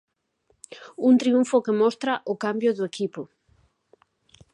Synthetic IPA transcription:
unt̪ɾiuɱfʊkemɔst̪ɾaʔʊkambjʊðʊekipʊ

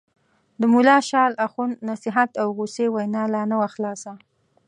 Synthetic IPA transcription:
d̪əmulɑʃɑlaxunːasɪɦat̪awɣusewajnɑlɑnawaxlɑsa

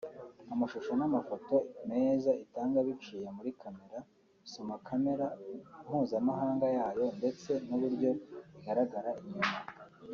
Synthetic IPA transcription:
amaʃuʃo̞namafo̞to̞me̞ːzaitaːŋɡaβit͡ʃiːjemuɾikʰame̞ɾa | isomakʰame̞ɾaunhuːnzamaɦaːŋɡajaːjo̞nde̞t͡se̞n̥uβuɾɟo̞iɡaɾaɡaɾaʔiɲuma

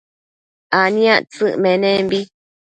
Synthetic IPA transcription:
anĩãʔt͡sɨʔmẽnẽmbi

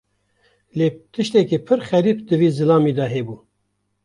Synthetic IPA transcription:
leːt̪ʰɨʃt̪ɛkiːpʰɨɾxɛɾiːpd̪ɨviːzɨlɑːmiːd̪ɑɦebuː

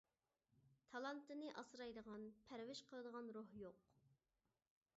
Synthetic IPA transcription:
t̪ʰɑlˠɑnt̪ɨnɨʔɑsɾɑjd̪əʁɑnpʰæɾvɪʃqʰəlˠəd̪əʁɑnɾohjoq

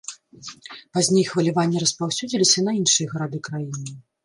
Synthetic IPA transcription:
pazʲnʲejxvɐlʲivanʲːiɾɐspawsʲud͡zʲilʲisʲɐnɐinʂɨjɐɣɐɾad̪ɨkɾajinɨ

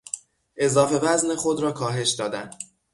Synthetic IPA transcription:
ʔe̞zɒːfe̞væznexo̞d̪ɾɒːkʰɒːɦe̞ʃd̪ɒːd̪ænd̪̥

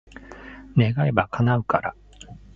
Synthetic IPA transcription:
ne̞ɡaibakʰanaɯ̟kaɾa

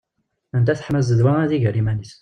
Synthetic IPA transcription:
ənt̪æθə̥ħmæzəd̪waæðiʝəɾimænis

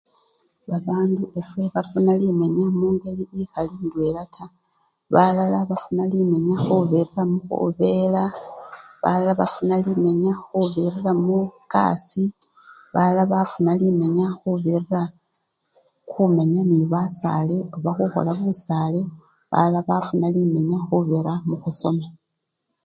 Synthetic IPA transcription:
βaβaːnduʔe̞fweβafunalime̞ɲamuːŋɡe̞liixalindwe̞ːlatʰa | βalalaβafunalime̞ɲaxuβiriramuxṵβe̞ːla | βa̰lalaβa̰funalime̞ɲaxuβirramuka̰si | βalalaβafunalime̞ɲaxuβirira | xume̞ɲaniβasa̰leoβaxuxo̞̰laβusale̞ | βa̰lalaβafunalime̞ɲaxuβeɾamuxuso̞ma

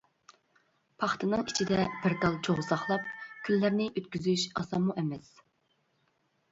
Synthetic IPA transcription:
pʰɑχt̪ʰɨnɨŋit͡ʃʰid̪ɛb̥ɪɾd̪ɑlˠt͡ʃʰoʁsɑχlˠɑp̚kʲʰylːæɾnɪʔøt̪kʲyzyʃɑ̰sɑmːuʔɛmɛs

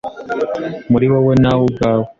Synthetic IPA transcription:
muɾiwawenawuɡaːwe

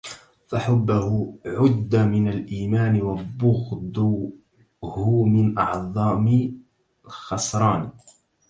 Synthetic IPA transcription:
faħʊbːahʊʕʊd̪ːamɪnalʔiːmaːnɪwabʊɣd̪ʊ | hʊmɪnʔɑ̰ʕðˤɑːmɪ | xɑsɾˤɑːn

